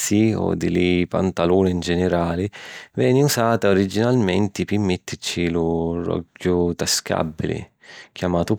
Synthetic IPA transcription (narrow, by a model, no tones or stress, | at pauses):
siɔ̰d̪ːɪlɪpa̰nt̪aluːnɪnd͡ʒɛnɪɾaːlɪvɛːnɪusaːt̪aoɾid͡ʒːinalmɛnt̪ɪpɪmːɪt̪ːɪt͡ʃilʊrɔ̰ɡːʊt̪aska̰bːilɪ̰ | k̟ʰjamaːt̪ʊ